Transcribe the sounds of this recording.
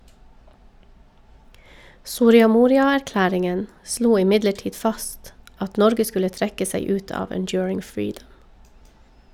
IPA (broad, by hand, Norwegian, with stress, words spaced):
sʊɾɪɑˈmuːɾɪɑæɾˌklæːɾɪŋən ˈsluː ɪˈmɪdləˌʈiːd ˈfɑst ˈɑt ˈnɔɾɡə ˈskʉlə ˈtɾɛkə ˈsæɪ ˈʉːt ˈɑːʋ ənˈdjʊːɹɪŋ ˈfɹiːdəm